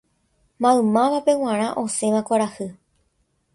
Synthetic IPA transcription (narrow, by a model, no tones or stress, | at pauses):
mãɨ̃mãʋape̞w̃ãɾ̃ãʔo̞sẽ̞ʋãkʷaɾahɨ